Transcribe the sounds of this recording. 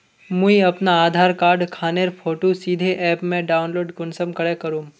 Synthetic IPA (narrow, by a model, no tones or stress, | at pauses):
mũiɐpnaaːd̪ʱaːɾkaːɾɖkʰaːneɾpʰoːʈosiːd̪ʱeʔɛːpmẽɖaːʊnloːɖkʊnsəmkɐɽekɐɾũː